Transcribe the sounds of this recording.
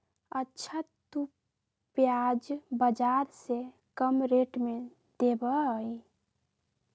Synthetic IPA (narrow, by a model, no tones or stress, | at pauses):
ətːʃʰət̪u | pjad͡ʒbəd͡ʒaɾse | kəmɾeʈme | d̪ebəj